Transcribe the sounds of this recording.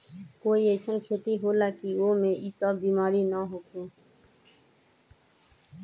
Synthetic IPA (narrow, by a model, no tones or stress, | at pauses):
koːiɛɪsənkʰeːt̪iɦolakiʋomẽʔisəbbiːmaːɾinəɦoːkʰẽː